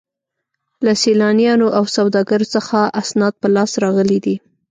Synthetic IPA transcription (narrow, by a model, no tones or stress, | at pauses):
lasilɑnjɑnoʔawsawd̪ɑɡaɾsəxaʔasnɑd̪̚pəlɑsɾɑɣəlid̪i